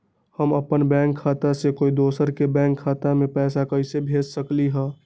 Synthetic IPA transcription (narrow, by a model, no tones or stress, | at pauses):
həməpənbɛ̃ːŋkʰːaːt̪asekoːid̪oːsəɾkebɛ̃ːŋkʰːaːt̪amẽpɛːsakəɪsebʱeːd͡ʒsəkliɦɛ̃ː